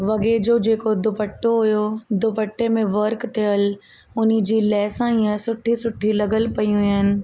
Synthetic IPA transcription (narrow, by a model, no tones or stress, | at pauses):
ʋɐɡed͡ʑod͡ʑeːkod̪ʊpəʈːoɦʊjod̪ʊpəʈːemẽʋɐɾkt̪ʰɪjəl | ʊn̤̆d͡ʑiːlɛːsãiːə̃sʊʈʰisʊʈʰilɐɡəlpɐijũɦɪnɪ̆